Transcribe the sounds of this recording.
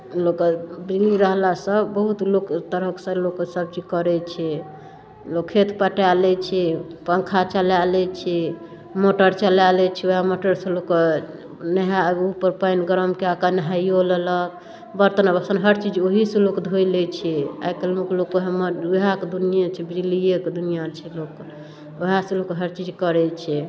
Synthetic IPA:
lokbiliɾəɦlasəbəɦut̪lokt̪əɾəksə̃loksəb̚t͡ʃid͡ʒkəɾɛt͡ʃʰɛ | lokʰːet̪pəʈalɛt͡ʃʰɛpəŋkʰat͡ʃəlalɛt͡ʃʰɛ | moʈəɾt͡ʃəlalɛt͡ʃʰɛoɦamoʈəɾsə̃lok | neɦaupəɾpəjnɡəɾəmkeakanəɦajolələk | bəɾt̪ənabəsənɦəɾt͡ʃid͡ʒoɦisẽlokd̪ʱolɛt͡ʃʰɛa̰jkelmoklokoɦaməɾuɦaked̪unijãt͡ʃʰɛbilijekd̪unijat͡ʃʰɛlok | oɦãsẽlokɦəɾt͡ʃid͡ʒkəɾɛt͡ʃʰɛ

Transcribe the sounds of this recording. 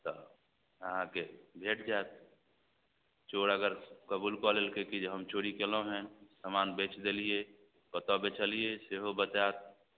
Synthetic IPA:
t̪ɔ | əɦãkebʱeʈd͡ʒaːt̪̚ | t͡ʃoɽəɡəɾkəbuːlkɔlelkekid͡ʒɦəmt͡ʃoɾikelõɦɛ̃səmanbet͡ʃd̪elije | pət̪ɔbet͡ʃəlijeseɦobət͡ʃaːt̪̚

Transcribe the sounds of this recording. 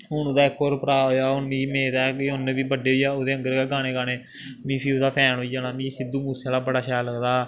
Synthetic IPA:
ɦʊnod̪aːɪkːoːɾpəɾaːɦoːjaːʊniːmeːt̪ɛːkːɦʊnːebiːbəɖeːɦoijaːoːd̪eːəŋɡəɾkɛːɡaːneːɡaːneː | mĩːpʰiːʊd̪aːpʰɛːnoːiːd͡ʒaːnaːmĩːsɪd̪uːmuːsaːlaːbəɽaːʃɛjləɡd̪aː

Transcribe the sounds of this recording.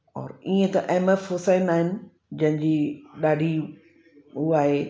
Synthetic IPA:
ɔ̰ːɾiːẽt̪ɐʔɛːmefɦoːsaːɪnaːɦɪnɪ̆ | d͡ʑɐ̃ɦɪ̃ɲd͡ʑiːɗaːɖʱi | uaːɦe

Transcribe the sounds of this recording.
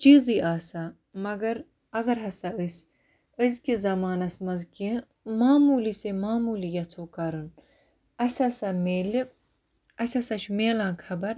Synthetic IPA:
t͡ʃiːziːʔaːsa | mɐɡɐɾ | ɐɡɐɾɦɐsaɨsʲ | əzkizɐmaːnɐsmɐzki | maːmuːlisemaːmuːlijɐt͡sʰoːkɐɾɨn | ɐsʲɐsameːli | ɐsʲɐsɐt͡ʃʰmeːlãːkʰɐbɐɾ

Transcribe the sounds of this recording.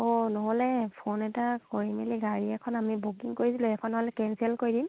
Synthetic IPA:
onɔɦɔlɛpʰonɛtakoɹimeliɡaɹiɛkʰɔnamibukiŋkoɹisilũɛkʰɔnːɔɦɔlɛkɛnsɛlkoɹidim

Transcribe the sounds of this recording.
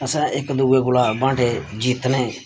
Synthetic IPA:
əsɛ̃ːʔɪkd̪ʊːeːɡʊlaːbãːʈʰeːd͡ʒiːt̪nẽː

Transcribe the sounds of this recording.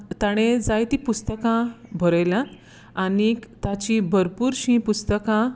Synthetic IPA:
t̪aɽ̃ed͡zajt̪ipust̪əkãbʱəɾəjlã | anikt̪at͡ɕĩbʱəɾpuːɾɕĩpust̪əkã

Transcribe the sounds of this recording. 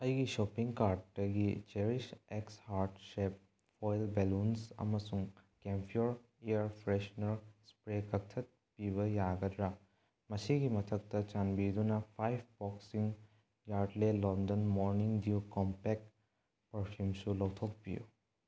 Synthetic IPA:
ɐjɡisopiŋkaɾʈdɐɡit͡ʃeɾisekshaɾdsep̚ | fojlbelunsɐ̰mɐsuŋkempʰioɾ | iɐɾpʰɾesnɐɾspɾekɐk̚tʰɐt̚piβɐjaɡɐdɾa | mɐsiɡimɐtʰɐk̚tɐt͡ʃanbid̪unɐpʰajb̚ʰbɔksiŋ | jaɾdlelɔndɐnmoɾniŋdiukɔmpek | pɐɾpʰumsulɐwtʰok̚pijṵ

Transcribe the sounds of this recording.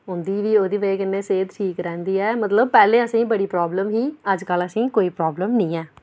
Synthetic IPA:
ɦʊ̃nd̪iːʋiːoːd̪iːʋəeːkɪnːeːseːt̪ʈʰiːkɾɛ̃ːnd̪iːɛːmət̪ləb̚pɛːleːəsĩːbəɽiːpɾɔːbləmɦiːəd͡ʒkələsĩːkoːiːpɾɔːbləmnĩːɛː

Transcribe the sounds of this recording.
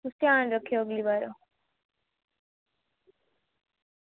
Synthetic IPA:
ust̪jaːnɾəkʰjoəɡlibaːɾo

